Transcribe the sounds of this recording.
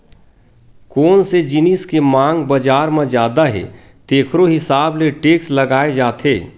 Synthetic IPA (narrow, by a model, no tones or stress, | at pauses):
kɔːnsed͡ʒɪnɪskemãːŋɡbəd͡ʒaːɾmãd͡ʒjaːd̪aɦɛ̰ | t̪eːkʰɾoɦɪsaːbleʈeːkslɐɡaːed͡ʒaːt̪ʰeː